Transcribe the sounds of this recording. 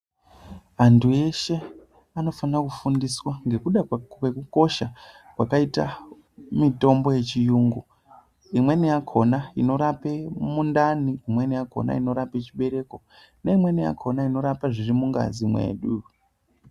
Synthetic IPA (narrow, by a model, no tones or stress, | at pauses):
antʰue̞ʃe̞ | ano̞fanrakufundiswaŋɡe̞kuɗawe̞kuko̞ʃa | kwakaita | mito̞mbo̞je̞t͡ʃijuːŋɡo | imwe̞nijakʰo̞naino̞ɾape̞mundaniimwe̞nijakʰo̞̰na̰ino̞ɾape̞t͡ʃiɓe̞ɾe̞ko̞ | neimwe̞nija̰kʰo̞naino̞ɾapaʐirimuŋɡa̰zimwḛːɗu